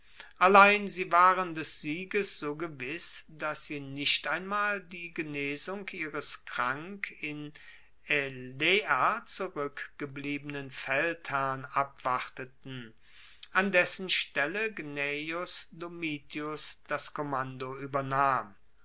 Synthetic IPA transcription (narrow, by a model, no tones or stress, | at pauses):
ʔalaɪnziːvaːʁəndɛsz̥iːɡəsz̥oːɡəvɪsd̥asz̥iːnɪʃtaɪnmaːldiːɡəneːzʊŋkʔiːʁəskʁ̥aŋkɪn | eleːat͡suʁʏkɡ̥əbliːbənənfɛlthɛɐnʔapv̥aʁtətn̩ | ʔandɛsn̩ʃtɛləɡnejʊsdomiːtʰiʊsd̥askomandoyːbɐnaːm